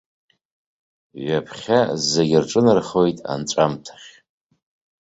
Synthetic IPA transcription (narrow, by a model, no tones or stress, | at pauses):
ɥapʰχʲazeɡʲɪrʈ͡ʂʼɨnɨrχo̞jtʼa̰nʈ͡ʂʷʼamtʰḁχʲ